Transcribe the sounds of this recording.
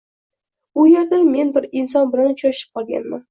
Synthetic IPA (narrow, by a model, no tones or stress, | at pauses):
ʊjeɾd̪ame̞nbɪɾɪns̬ɒnbɪlant͡ʃʰɒʃɪ̥p̚qʰɒlˠɡʲa̰nman